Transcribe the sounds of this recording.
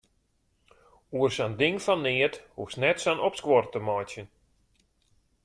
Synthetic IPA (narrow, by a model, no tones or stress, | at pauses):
uərsandɪŋfɔnːɪəthufsnɛtsanɔpskwɔrtəmɔjtjən